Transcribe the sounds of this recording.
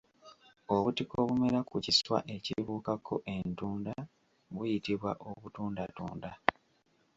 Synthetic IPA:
o̞βutiko̞βume̞ɾakuciswa̰ʔe̞ciβuːkakʰo̞ʔe̞ntuːnda | βwujitiβwaʔo̞βutuːndatṵːnda

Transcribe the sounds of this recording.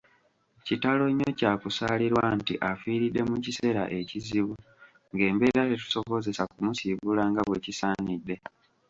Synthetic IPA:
citalo̞ɲːocaːkusaːliɾwantḭʔafiːɾidːe̞mucise̞ːɾa̰ʔe̞ciziβu | ŋɡe̞ːmbe̞ːɾatetu̥so̞βo̞ze̞sakumusiβulaŋɡaβweːcisaːnidːe̞

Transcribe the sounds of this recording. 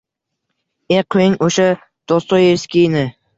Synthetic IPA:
eqʰʊjɪŋoʃa | d̪̥ɒst̪ɒjeskʲijnɪ

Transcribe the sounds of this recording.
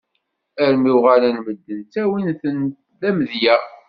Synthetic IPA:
æɾmiwʁaɾænməd̪ːənt͡sːæwinθən | ðæmðjæ

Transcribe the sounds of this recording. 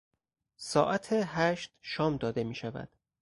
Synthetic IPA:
sɒːʔæt̪ʰeɦæʃt̪ʃɒːmd̪ɒːd̪e̞miːʃævæ̰d̪̥

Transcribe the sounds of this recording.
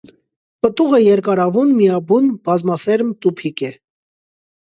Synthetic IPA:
pət̪uʁəjɛɾkɑɾɑvunmijɑbunbɑzmɑsɛɾmt̪upʰikɛ

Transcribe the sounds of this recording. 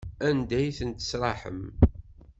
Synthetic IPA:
ænd̪æjθənt̪ə̥sɾˤɑħə̰m

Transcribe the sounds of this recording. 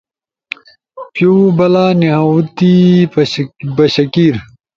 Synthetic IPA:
pjubɐlaːniɦɐut̪i | bɐɕɐkiːɾ

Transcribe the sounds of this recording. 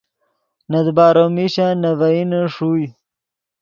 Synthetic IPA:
nɐd̪baːɾomiɕanɐvɐinəʂuj

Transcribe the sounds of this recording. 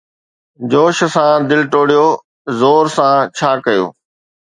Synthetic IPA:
d͡ʑoːʃ̆sãd̪ɪlʈoːɽijo | zoːɾsãt͡ɕʰaːkɐjo̰ː

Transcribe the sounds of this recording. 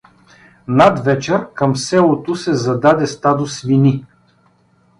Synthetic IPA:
nad̪vɛt͡ʃɛɾkəmsɛlˠot̪ʊsɛzɐd̪ad̪ɛst̪ad̪osvini

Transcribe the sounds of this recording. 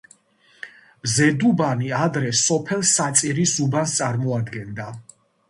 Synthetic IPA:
mzɛd̪ubaniad̪ɾɛsɔpʰɛlˠsat̪sʼiɾisubanst̪sʼaɾmɔad̪ɡɛnd̪a

